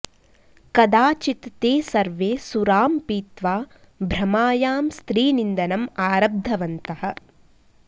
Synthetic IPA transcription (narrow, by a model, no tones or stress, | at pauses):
kɐd̪aːt͡ʃit̪ːeːsɐɾʋeːsuɾaːmpiːt̪ʋaː | bʱɾɐmaːjaːmst̪ɾiːnind̪ɐnɐmaːɾɐb̚d̪ʱɐʋɐnt̪ɐhɐ̆